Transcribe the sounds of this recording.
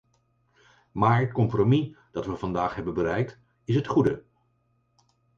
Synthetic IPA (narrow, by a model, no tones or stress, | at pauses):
maːɹɦət̚kɔmpromi | d̥ɑtʋəvɑndaːχɦɛbənbəɾɛjk̚t | ɪsɦətχudə